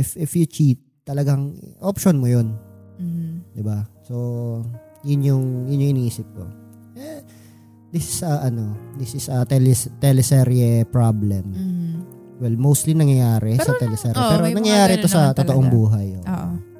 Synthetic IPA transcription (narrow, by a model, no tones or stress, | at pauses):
ʔɪfɪfjʊt͡ʃit̪̚ːɐlɐɡaŋʔopʃonmojon | d̪ɪbaso̞ | jʊnjʊŋjʊnjoŋɪniʔiːsɪp̚ko̞̰ | ɛ | d̪ɪsɪsɐʔɐno̞d̪ɪsɪsɐt̪ɛlɛst̪ɛlɛsɛɾjɛpɹablɛm | wɛlmowst̪linɐŋjɐjaːɾɛsɐt̪ɛlɛsɛɾjɐpɛːɾonɐŋjɐjaːɾɪt̪osɐt̪ot̪ɐʔoŋbuːɦɐjʔoʔʔo